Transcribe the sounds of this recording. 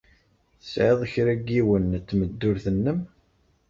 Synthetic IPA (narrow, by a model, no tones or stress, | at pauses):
θə̥sʕeðˤəçɾæɡiwənt̪ːməd̪ːʊɾθənːəm